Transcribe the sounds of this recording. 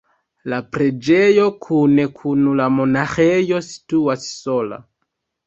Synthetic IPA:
lapɾe̞d͡ʒejo̞kʰune̞kʰunulamo̞naxejo̞si̥tuasːo̞la̰

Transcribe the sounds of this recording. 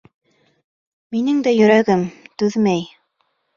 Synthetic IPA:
minɘŋd̪æjɵ̆ɾæɡɘmt̪ʉðmæj

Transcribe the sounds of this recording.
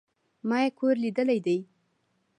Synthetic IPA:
mɑjekʰoɾlid̪əlajd̪aj

